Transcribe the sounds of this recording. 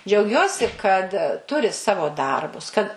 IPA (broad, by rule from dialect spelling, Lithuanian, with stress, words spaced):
d͡ʒʲɛʊˈɡʲuɔsʲɪ kɐt ˈtʊrʲɪ ˈsɑːʋoː ˈdɐrbʊs kɐt